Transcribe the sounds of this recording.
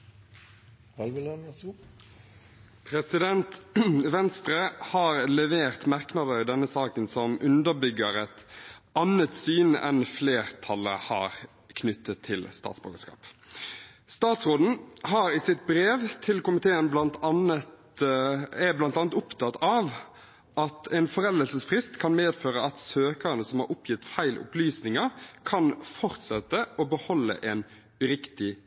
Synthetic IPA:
pʰɾɛsɪd̪ɛnt̪ʋɛnst̪ɾəhɑːʁlɛʋeːʁt̪mɑʁknɑd̪əɪd̪ɛnːəsɑːkənsɔmʉnd̪əʁbʏɡəɾɛt̪ɑnət̪syːnɛ̰nfleːʁt̪ʰɑlə̰hɑ̰ːʁ | kʰnʏt̪ʰːət̪ʰːɪlst̪ɑ̰ːt̪sbø̰ːɡəskɑ̰ːp | st̪ɑːt̪sʁoːd̪n̩ɦɑɾɪsɪt̪̚bɾeːʋt̪ʰɪlkʊmɪt̪ʰeːənblɑnt̪ɑnət̪ | ɛblɑnt̪ɑːnət̪ʊpt̪ʰɑt̪ɑʋ | ɑt̪ʰɛɪnfɔɾɛləlsəsfʁɪst̪kʰɑnmeːd̪føːɾəʔɑt̪søːkəɾənəsɔmhɑɾʊpjɪt̪ːfæɪlʔʊ̰plyːsnɪŋəɾkʰɑnfɔʁt̪sɛt̪ːəʔɔbəhɔlːə̰ʔɛn | ʉɾɪkt̪ɪ

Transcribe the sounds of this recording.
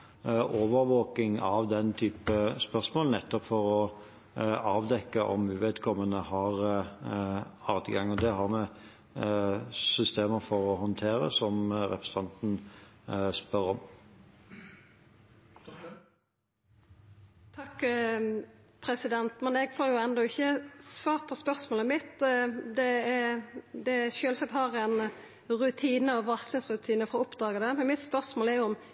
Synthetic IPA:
ʔoːʋəɾʋoːkɪŋɑʋd̪ɛnt̪ʰyːpəspœʁsmoːlnɛt̪ːɔpfɔɾɔ | ɑːʋd̪ɛkːəʔɔ̰mʉʋeːd̪kʰɔmːənəhɑʁ | ɑːd̪ɡɑŋɔd̪ɛɦɑʁmɛ | sʏst̪eːməfɔɾɔhɔnt̪ʰeːɾə̰sɔmɾɛpɾʁəs̩ət̪ʰɑnt̪n̩ | spœɾɔm | t̪ʰɑkː | pʰɾɛsɪd̪ɛnt̪mɛnɛɡfoːɾjʊɛnd̪ɔɪçːəsʋɑːʁpʰɔspœɾsmoːləmɪt̪d̪ɛ | d̪ɛʃøːlsɛt̪hɑɾɛn | ʁʉt̪ʰiːnəɔʋɑslɪŋsʁʉt̪ʰiːnəfɔʁɔʊpd̪ɑːɡəd̪ɛmɛnmɪt̪spœʁsmoːlɛɾjʊɔm

